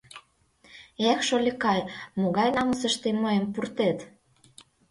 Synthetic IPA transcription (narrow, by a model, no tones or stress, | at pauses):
exʃolʲekɑjmoɣɑjnɑməsəʃt̪emːəempurt̪et̪